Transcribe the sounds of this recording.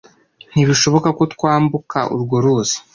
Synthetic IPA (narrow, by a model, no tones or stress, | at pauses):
n̥iβiʃo̞βo̞kakot̪kwaːmbuka̰ʔṵɾɡoɾuzi̥